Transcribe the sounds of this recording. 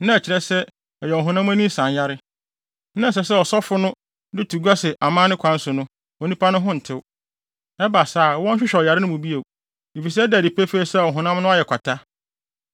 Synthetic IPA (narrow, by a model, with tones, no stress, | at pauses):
nã˦˨t͡ɕʰɪ˨ɾɛ˦sɛ˦ | ɔ˨jɛ˨ɔ˨ɦʊ̃˨nã˦m˦æ̃˦nĩ˦sã˨nja˦ɾɪ˦ | nã˦˨s̬ɛ˨s̬ɛ˦ɔ˨sɔ˦fʊ˦nʊ̃˦ | dɪ˦tʰu˨ɡa˦sɪ˨ʔa˨mã˦nɪ̃˦kʷʰã˨˦n̩˦sʊ˨nʊ̃˦ | ɔ˨nĩ˦pʰa˦nʊ̃˦ɦʊ̃˦n̩˨tʰɪ˦w | ɛ˦ba˨sa˦˨wɔ̃˦n̩˦ɕᶣɪ˦ɕᶣɔ˨ja˨ɾɪ˦nʊ̃˦mũ˨bi˦e˨ | e˨fi˨s̬ɛ˦daː˨di˨pʰɛ˦fe˦sɛ˦˨ɔ˨ɦʊ̃˨nã˦mnʊ̃˦a˦jɛ˨kʷʰa˨tʰa˦